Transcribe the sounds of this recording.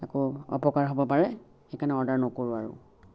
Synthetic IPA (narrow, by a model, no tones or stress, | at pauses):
akɔɔ̰pɔkaɹɦobɔpaɹɛ | xekanɛɔɹdaɹnɔkoɹʊaɹʊ̰